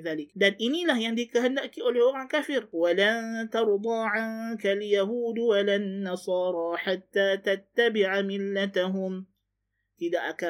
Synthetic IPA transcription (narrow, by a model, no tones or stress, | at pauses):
ðaːlɪkd̪anʔɪnilahjaʕnd̪ikahand̪aʔkiʔaljoɣankafiːɾwalat̪ɑɾˤd̪ˤɑːʕaŋkaljaɦuːd̪walanːɑsˤɑːɾˤɑːħat̪ːaːt̪at̪ːabɪʕamɪlːat̪aɦʊm | ʔɪd̪aʔaka